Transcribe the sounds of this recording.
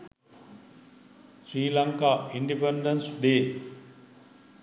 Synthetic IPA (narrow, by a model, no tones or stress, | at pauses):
sɾiːlaŋkaːiɳɖipeɳɖɐnsɖeː